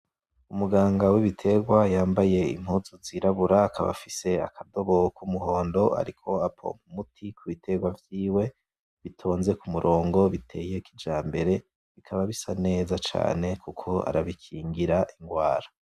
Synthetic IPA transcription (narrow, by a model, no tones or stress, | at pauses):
umuɡaːŋɡawiβitʰe̞ɡwajaːmbaje̞ḭm̥huzuziɾaβuɾaːkaβa̰fise̞a̰kʰado̞βo̞kumuɦo̞ːndo̞a̰ɾikʰo̞apʰo̞̰mumutʰikʰuβitʰe̞ɡwavjiːwe̞ | βitʰo̞ːnze̞kumuɾʔo̞ːŋɡo̞βitʰe̞je̞kid͡ʒaːmbe̞ɾe̞ | βikʰaβaβisane̞ːzat͡ʃa̰ːne̞kukʰo̞a̰ɾaβikʰiːŋɡiɾaʔiŋɡwaːɾḁ